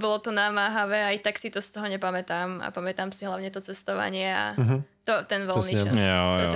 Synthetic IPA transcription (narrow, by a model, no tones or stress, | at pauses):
bɔlɔt̪ɔnamaːɦaʋɛːait̪aksit̪ɔst̪ɔɦɔɲɛpamɛt̪aːma̰pamɛt̪aːmsiɦlaʊɲɛt̪ɔt͡sɛst̪ɔʋa̰ɲɪɛa̰ɦt̪ɔt̪ɛnʋɔlnit͡ʃao